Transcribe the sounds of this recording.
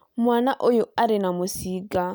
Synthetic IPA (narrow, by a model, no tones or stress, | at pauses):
mwanaʔojʊaɾɪnamʊsiɡa